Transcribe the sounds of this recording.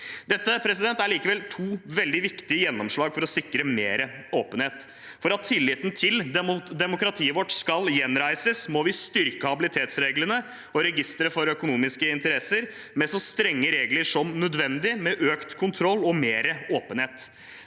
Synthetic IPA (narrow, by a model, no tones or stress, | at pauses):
d̪̥ɛt̪ːəpʰɾɛsɪd̪ɛnt̪æɾɭiːkəʋɛlt̪ʰuːʋɛld̪ɪʋɪkt̪ɪəjɛnːɔmʂɭɑːɡfɔɾɔsɪkɾəmeːɾəoːpənheːt̪ | fɔɾɑt̪ʰːɪlːɪt̪nt̪ʰɪld̪ɛmʊkɾɑt̪ʰiːəʋɔʈskɑljɛnɾæɪsəsmɔʋɪst̪ʏɾkəhɑbɪlɪt̪ʰeːt̪sɾeːɡləɳə | ɔɾɛɡɪst̪ɾəfɔɾœkʊnuːmɪskəɪnt̪əɾɛsəɾ | mɛsɔst̪ɾɛŋːəɾeːɡləɾʂɔmnœd̪ʋɛnd̪ɪmɛʔøːkt̪kʰʊnt̪ʰɾɔlːɔmeːɾəoːpənheːt̪